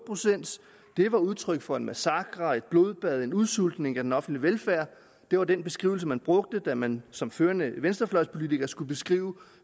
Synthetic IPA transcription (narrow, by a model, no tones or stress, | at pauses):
pʰʁosen̰d̥ | d̥e̝ʋɑ̈uð̞ˠt͡sʰʁœɡ̥fɒ̽enmʔæsɑ̈ɡ̥ʁɑe̝d̥̚b̥lo̝ðˠb̥æð̞̰ˠe̝nuðˠsul̰d̥ne̝ŋæd̥enɒ̽fn̩d̥liʋelfæɐ̰ | d̥e̝ʋɑ̈denb̥e̝sɡ̥ʁḭʊl̩s̬əmænb̥ʁɔ̽ɡ̥̚d̥əd̥æmænsɒ̽mføːɐnəʋensd̥ɐflɒ̽ɪspʰo̝lit͡sʰiɡ̥ɐsɡ̥ub̥e̝sɡ̥ʁiːʊ